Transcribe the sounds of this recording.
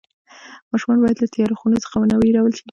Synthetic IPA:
mɑʃumɑnbɑjad̪lat̪ajɑɾoxunot͡sə̥xawənawiɾawəlʃi

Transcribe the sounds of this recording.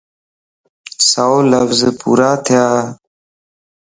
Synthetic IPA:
saoləfzpṵːɾaːt̪ʰjaː

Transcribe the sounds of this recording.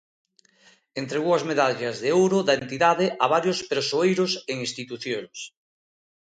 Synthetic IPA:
ent̪ɾeɣuɐzmeðaʎazðeowɾoðaent̪iðaðeʔaβ̞aɾjospeɾsoejɾoseŋĩst̪it̪uθjoŋs

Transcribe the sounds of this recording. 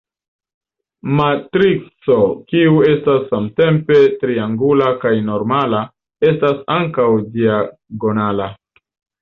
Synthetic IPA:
matɾit͡so̞kiue̞stasːamte̞mpe̞tɾiaŋɡulakajno̞ɾmala | e̞stasaŋkawd͡ʒiaɡo̞nala

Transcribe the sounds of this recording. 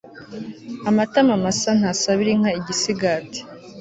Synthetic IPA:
amatamamasan̥haːsaβiɾiŋ̥aiɟisiɡati̥

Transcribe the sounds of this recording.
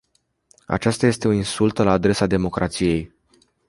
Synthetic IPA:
a̰t͡ʃast̪aje̞st̪e̞uninsult̪əlaːd̪ɾe̞sad̪e̞mo̞kɾʔat̪sije̞j

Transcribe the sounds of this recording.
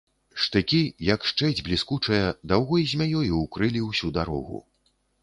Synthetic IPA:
ʂt̪ɨkʲijɐkʂt͡ʂɛblʲiskut͡ʂɐjɐd̪awɣɔjzʲmʲajɔjuwkɾɨlʲiwsʲud̪aɾɔ̰ɣṵ

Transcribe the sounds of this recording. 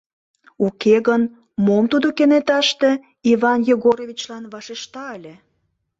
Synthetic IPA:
ukeɣən | momt̪ud̪okenet̪ɑʃt̪e̽ | ivɑnjoɣoɾovʲit͡ɕlɑnβɑʃeʃt̪ɑəlʲe

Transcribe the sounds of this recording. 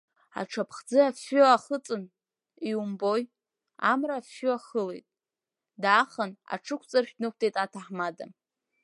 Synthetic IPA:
a̰ʈ͡ʂʰapʰχd͡zɨafʊaχət͡sʼɨn | iumboj | a̰mrafːʏaχəlḛjtʼ | daχəna̰ʈ͡ʂʰɨkʷʰt͡sʼarʃʲᶣnɨk̚ʷʰtʰʼejtʼatʰaħmada̰

